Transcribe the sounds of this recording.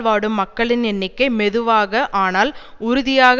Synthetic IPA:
ʋaːɽɯmːɐkːɐɭɪnɛnːɪkːɐɪmɛðɯʋaːɣɐʔaːnaːlʊɾʊðɪjaːɣ

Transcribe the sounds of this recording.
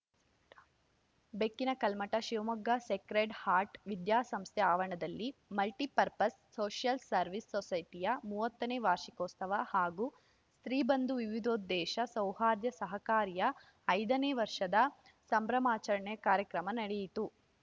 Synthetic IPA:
bekːinɐkɐlmɐʈɐʃiʋɐmɐɡːɐsekɾeɖhaːɾʈʋid̪jaːsɐmst̪ʰɛaːʋɐɳɐd̪ɐlːimɐlʈipɐɾpɐsːoːʃjɐlsɐɾʋisːɔsɐjʈ̪ijɐmuːʋɐt̪ːɐneːʋaːɾʃikoːst̪ɐʋɐhaːɡuː | st̪ɾiːbɐnd̪uʋiʋid̪oːd̪ːɛːʃɐsɐwhaːɾjɐsɐɦɐkaːɾjɐː | jd̪ɐneːʋɐɾʂɐd̪ɐ | sɐmbɾɐmaːt͡ʃɐɾɐɳɛjɐkaːɾjɐkɾɐmɐnɐɽejit̪u

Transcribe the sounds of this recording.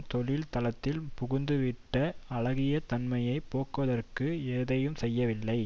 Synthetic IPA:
t̪ɔɻɪlt̪ɐlɐt̪ːɪlpʊɣʊnd̪ɯʋɪʈːɐɐɻɐɣɪjɐt̪ɐnmɐjɐɪpːoːkɯʋɐðɐrkɯeːðɐjɯmsɛjːɐʋɪlːɐɪ

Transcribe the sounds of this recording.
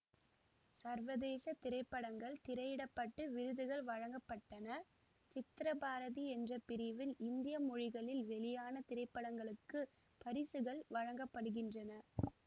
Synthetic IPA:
sɐɾʋɐðeːsɐt̪ɪɾɐɪpːɐɽɐŋɡɐɭt̪ɪɾɐjɪɽɐpːɐʈːɯʋɪɾɯðɯɣɐɭʋɐɻɐŋɡɐpːɐʈːɐnɐ | t͡ʃɪt̪ːɪɾɐbaːɾɐðiɛndrɐpɪɾɪʋɪlɪnd̪ɪjɐmʊɻɪɣɐɭɪlʋɛɭɪjaːnɐt̪ɪɾɐɪpːɐɽɐŋɡɐɭɯkːɯ | pɐɾɪsɯɣɐɭʋɐɻɐŋɡɐpːɐɽɯɣɪndrɐnɐ

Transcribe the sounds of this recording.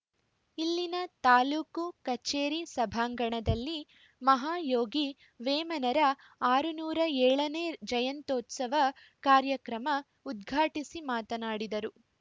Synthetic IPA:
ilːinɐt̪aːluːkukɐt͡ʃeːɾisɐbʱaːŋɡɐɳɐd̪ɐlːi | mɐɦaːjoːɡi | ʋeːmɐnɐɾɐ | aːɾunuːɾɐɛːɭɐneːd͡ʒɐjɐnt̪oːt̪sɐʋɐ | kaːɾjɐkɾɐmɐ | ud̪̚ɡʱaːʈisimaːt̪ɐnaːɽid̪ɐɾu

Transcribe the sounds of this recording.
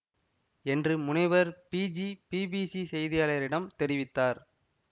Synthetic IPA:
ɛndrɯmʊɳɐɪʋɐɾpiːd͡ʒipiːbiːsisɛjðɪjaːɭɐjɐɾɪɽɐmt̪ɛɾɪʋɪt̪ːaːɾ

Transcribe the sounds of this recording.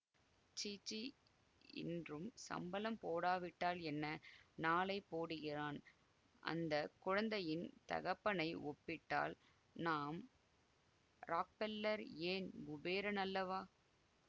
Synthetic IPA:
t͡ʃiːt͡ʃːi | ɪ̰ndrɯmsɐ̰mbɐlɐmpoːɽaːʋɪʈːaːlɛnːɐnaːlɐɪpːoːɽɯɣɪraːn | ʔɐ̰nd̪ɐkʊɻɐnd̪ɐjɪnt̪ɐ̰ɣɐpːɐnɐɪʔɔpːɪʈːa̰ːl | naːm | ɾaːk̚pɛlːɐɾeːnɡʊbeːɾɐnɐlːɐʋaː

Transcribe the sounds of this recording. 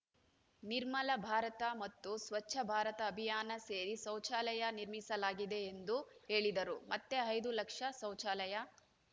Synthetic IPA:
niɾmɐlɐbʱaːɾɐt̪ɐmɐt̪ːusʋɐt͡ʃʃʰɐbʱaːɾɐt̪ɐːbʱijaːnɐseːɾisɐwt͡ʃaːlɐjɐniɾmisɐlaːɡid̪e̞ːnd̪uɦe̞ːɭid̪ɐɾumɐt̪ːe̞ɐjd̪ulɐkʂɐsɐwt͡ʃaːlɐjɐ

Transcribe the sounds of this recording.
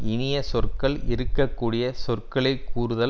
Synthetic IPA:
ɪnɪjɐsɔrkɐɭɪɾɯkːɐkːuːɽɪjɐsɔrkɐɭɐɪkʰːuːɾɯðɐ

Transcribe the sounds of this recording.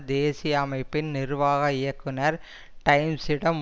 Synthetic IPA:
d̪eːsɪjɐɐmɐɪpːɪnnɪɾʋaːɣɐɪjɐkːɯnɐɾ | ʈɐɪmsɪɽɐm

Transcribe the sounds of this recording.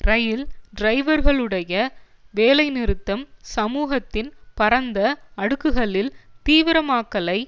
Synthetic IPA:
rɐjɪlɖɾɐɪʋɐɾɣɐɭɯɽɐjɐ | ʋeːlɐɪnɪɾɯt̪ːɐmsɐmuːɣɐt̪ːɪnpɐɾɐnd̪ɐɐɽɯkːɯɣɐɭɪlt̪iːʋɪɾɐmaːkːɐlɐɪ

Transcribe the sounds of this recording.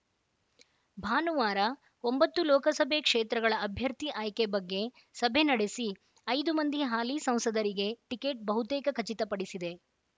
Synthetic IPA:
bʱaːnuʋaːɾɐ | ombɐt̪ːulɔːkɐsɐbʱekʂeːt̪ɾɐɡɐɭɐːbʱjɐɾt̪iʔaːjkebɐɡːe̞ | sɐbʱe̞nɐɽesi | ɐjd̪umɐnd̪ʱiɦaːlisɐ̃m̃sɐd̪ɐɾiɡe̞ʈike̞ːʈ̚bɐɦut̪eːkɐkʰɐt͡ʃit̪ɐpɐɽisid̪e̞

